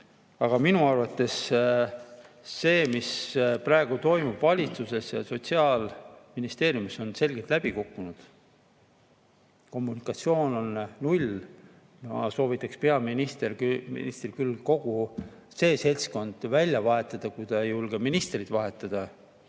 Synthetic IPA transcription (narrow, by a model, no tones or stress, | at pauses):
ɑɡ̥ɑminuɑrvɑt̪ːˑe̞s | e̞ːmisprɑe̞ɡ̥ut̪o̞jmub̥vɑlʲit̪suse̞sjɑ̰so̞t̪siɑːlminist̪e̞ːɾjumiso̞nse̞lʲɡ̥et̪ˑlæb̥ikukːunud̪̥ | ko̞mːunikˑɑt̪sio̞ːno̞nnulʲ | mɑso̞ːvit̪ːˑɑkspe̞ɑminist̪ermḭnist̪rikylko̞ɡ̥u | se̞ːse̞lʲsko̞nd̪̥vælʲjɑvɑɦe̞t̪ːˑɑd̪̥ɑkujd̪̥ɑjulɡ̥eminist̪rid̪̥vɑɦe̞t̪ːˑɑd̪̥ɑ